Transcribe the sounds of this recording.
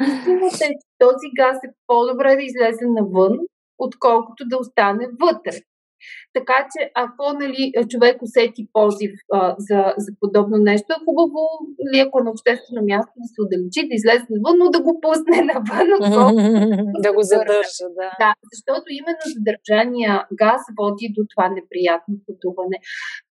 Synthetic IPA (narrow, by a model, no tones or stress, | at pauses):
isinɐt̪ɛt̪ɔziɡasɛpod̪obɾɛd̪ɐizlɛzɛnɐvɤn | ot̪kɔlˠkʊt̪od̪ɐost̪anɛvɤt̪ɾɛ | t̪ɐkat͡ʃɛʔɐkɔnɐliʔt͡ʃovɛkosɛt̪ipɔzifəzɐzɐpod̪ɔbnonɛʃt̪oɛxubəvonɐliɐkoɛnɐopʃt̪ɛst̪vɛnomjast̪od̪ɐsɛod̪ɐlit͡ʃid̪ɐizlɛzɛnɐvənod̪ɐɡopusnɛnɐvənokɔlˠkʊɡ̪əɾəd̪azɐʃt̪ɔt̪oimɛnːozɐd̪ɐɾʒanijəɡasvɔd̪id̪ot̪ovanɛpɾijat̪̚nopɐt̪uvɐnɛ